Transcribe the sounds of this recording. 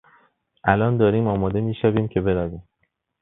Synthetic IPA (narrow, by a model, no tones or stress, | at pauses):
ʔælɒːnd̪ɒːɾiːmɒːmɒːd̪e̞miːʃæbiːmcʰe̞be̞ɾæviːm